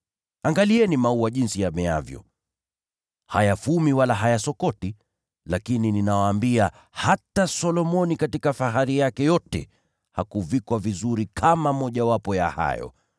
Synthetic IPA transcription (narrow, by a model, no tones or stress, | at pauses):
aŋɡaliɛnimauwaʄinsijamɛavjɔ̰ | ha̰jafumiwalaɦajasɔkɔti | lakinininawaːmbia | hatasɔlɔmɔnikatikafaɦaɾijakɛjɔtɛ̰ | hakuvikwavizuɾikʰamamɔʄawapɔja̰ha̰jɔ̰